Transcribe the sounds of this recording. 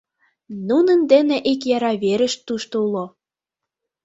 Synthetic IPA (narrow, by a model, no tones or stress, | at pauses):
nunənd̪enĕʔikjɑɾɑβeɾə̆ʃt̪ːuʃt̪oulo